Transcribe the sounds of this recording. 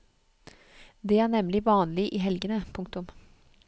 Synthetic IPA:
d̪eːæːɳɛmlɪʋɑːnlɪʔiːɦɛlɡənəpʰʊŋkt̪ʊm

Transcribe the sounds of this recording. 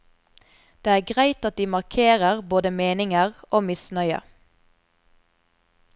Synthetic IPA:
d̪̥eːæːɡʁæɪt̪ɑt̪̚d̪iːmɑʁkʰeːʁəʁboːd̪əmeːnɪŋəʁʔoːmɪsnœʏə̰

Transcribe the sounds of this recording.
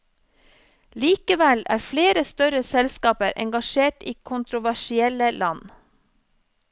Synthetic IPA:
liːkəʋɛlæ̰ːɾfleːɾəst̪œɾəsɛlskɑːpəɾʔɛ̰ŋɡɑʃeːʈiːkʰʊnt̪ɾʊʋæʃɪɛləlʔɑn

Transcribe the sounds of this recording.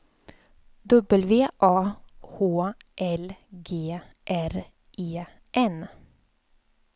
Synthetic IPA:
d̪ɵbəlʋeːʔɑːhoːʔɛlɡeː | ʔæɾ | ʔeː | ʔɛn

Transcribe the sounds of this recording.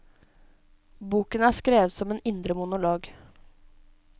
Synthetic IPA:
buːkənəæːskɾeːʋət̪sɔmeːnɪnd̪ɾəmʊnʊloːɡ

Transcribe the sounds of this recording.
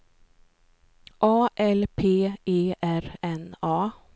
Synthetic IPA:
ʔɑːʔɛlpʰeːeːʔæɾɛnɑː

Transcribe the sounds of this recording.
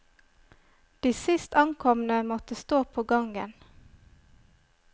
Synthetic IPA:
d̪̥iːsɪst̪ʰɑŋkʰɔmnəmɔt̪əst̪oːpʰoːɡɑŋɡən

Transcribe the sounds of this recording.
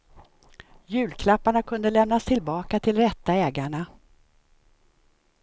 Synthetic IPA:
jʉ̟ːlkʰlapːaɳakʰɵnd̪əlɛmn̪ast̪ʰɪlbɑːkat̪ʰɪlɾɛt̪ːaɛːɡaɳa

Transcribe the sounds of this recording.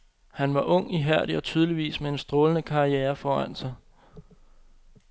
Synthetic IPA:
hænʋɑ̈ʔɔ̽ŋ̰iɦæɐ̰ɾ̥iɒ̽t͡sʰyːð̞ˠliʋḭːsmee̝nsd̥ʁɔːlənəkʰɑ̈ieːɐfɒːæn̰sɑ̈ɪ

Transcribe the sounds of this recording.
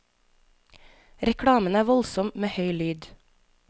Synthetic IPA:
ɾɛkʰɽɑːmənæːʋɔlsɔmmeːhœʏlyːd̪

